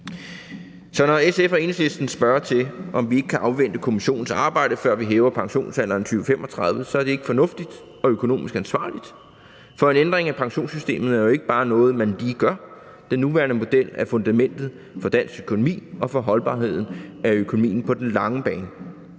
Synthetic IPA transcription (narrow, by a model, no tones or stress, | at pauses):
sɒ̽nɒesefæe̝nslesd̥n̩sb̥ɶɐt͡sʰe̝lʔɒ̽mʋie̝ɡ̥əkʰæʔɑ̈ʊʋen̰d̥əkʰo̝miɕo̝̰ːn̩sɑ̈ːb̥ɑ̈ɪ̰d̥əfɶɐ̰ʋiɦɛːʊɐpʰɑ̈ŋɕo̝̰ːnsæn̰ɐnt͡sʰyːʋəfemʔɒt͡sʰʁɑ̈ðˠʋəsɒ̽æɐd̥e̝e̝ɡ̥əfɒ̽nɔ̽fd̥id̥ | ɒ̽økʰo̝no̝̰ːmisɡ̥ænsʋɑ̰̈ːlid̥ | fɒ̽e̝nend̥ʁeŋæpʰɑ̈ŋɕo̝̰ːnsysd̥e̝̰ːmð̩ˠæɐjoe̝ɡ̥əb̥ɑ̈ːnɔ̽ːð̞̩ˠmænliːɡ̥ɶɐ | d̥enːuʋæːɐnəmo̝d̥el̰æfɔ̽nd̥æmen̰d̥ð̞̩ˠ | fɒ̽d̥æn̰søkʰo̝no̝mḭːɒ̽fɒ̽ɦɒ̽lb̥ɑ̰̈ːɦe̝ð̞̰ˠn̩æøkʰo̝nomḭːn̩pʰɒ̽d̥enlɑ̈ŋəb̥ɛːnə